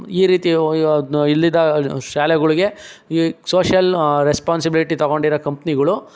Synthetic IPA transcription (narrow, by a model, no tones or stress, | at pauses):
iːɾiːt̪i | ilːid̪ɐʃaːlɛɡɐɭiɡe̞ | soːʃɐlɾespaːnsibiliʈit̪ɐɣoɳɖiɾɐkɐmpniɡɐɭu